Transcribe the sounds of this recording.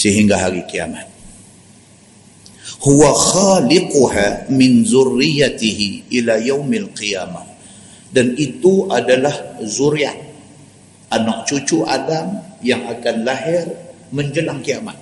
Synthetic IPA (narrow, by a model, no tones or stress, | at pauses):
səɦiŋɡaɦaɾikia̰mat̪̚ | huwaxalɪquhamɪnzʊrːijat̪iɦiʔilajawmalqijama | danit̪uʔadalahzuɾjaʔ̚ | ʔanɔʔ̚t͡ʃut͡ʃuʔadamjaŋakanlaɦɪr | məɲd͡ʒəlaŋkiamat̪̚